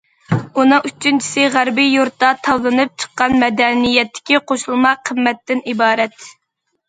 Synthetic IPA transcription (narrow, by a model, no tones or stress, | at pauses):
unɨŋyt͡ʃʰːynt͡ʃʰi̥sɪʁæɾbijuɾt̪ːɑt̪ʰɑwlˠɨnɨp̚t͡ʃʰə̥qːɑnmɛd̪ɛnijɛt̪ʰːɪ̥kʲiqʰoʃulˠmɑqʰəmːɛt̪ːɪnibɑːɾɛt̪